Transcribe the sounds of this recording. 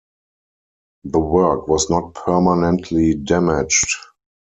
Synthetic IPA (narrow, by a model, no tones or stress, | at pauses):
ðəwɜ˞kwɔsnɔt̚pʰɜ˞manɛ̃ntʰlidæmɪd͡ʒt